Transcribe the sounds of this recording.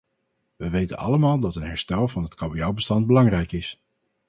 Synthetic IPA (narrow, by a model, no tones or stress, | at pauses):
ʋəʋejtə̰nɑ̰ləmaːlˠdɑtənɦɛɹstɛlˠvɑnɦətkɑbiawbəstɑnd̚bəlɑŋrɛjkɪs